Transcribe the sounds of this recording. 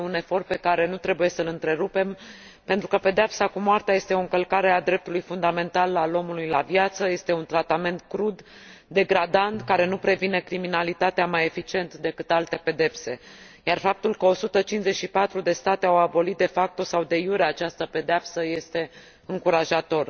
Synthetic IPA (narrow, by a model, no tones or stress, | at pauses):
une̞fo̞rt̪̚pe̞kaɾe̞nut̪ɾe̞buje̞səlɨnt̪ɾe̞ɾupe̞m | pe̞nt̪ɾukəpe̞d̪eapsakumoart̪eaje̞st̪e̞o̞ɨŋkəlkaɾe̞ad̪ɾe̞p̚t̪ulujfund̪ame̞nt̪alalo̞mulujlavjat̪səje̞st̪e̞unt̪ɾat̪ame̞nt̪kɾud̪ | d̪e̞ɡɾad̪ant̪kaɾe̞nupɾe̞vine̞kɾiminalit̪at̪eamaje̞fit͡ʃie̞nt̪d̪e̞kɨt̪alt̪e̞pe̞d̪e̞pse̞ | jarfap̚t̪ulkəo̞sut̪ət͡ʃinszet͡ʃʃipat̪ɾud̪e̞st̪at̪eawabo̞lit̪̚d̪e̞fak̚t̪o̞sawd̪e̞juɾeat͡ʃast̪əpe̞d̪eapsəje̞st̪e̞ | ɨŋkuɾaʒat̪o̞r